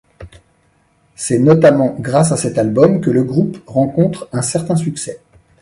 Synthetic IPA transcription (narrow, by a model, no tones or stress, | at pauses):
sɛnɔt̪amɑ̃ɡʁasasɛt̪albɔmkələɡʁupʁɑ̃kɔ̃t̪χɛ̃sɛʁt̪ɛ̃syksɛ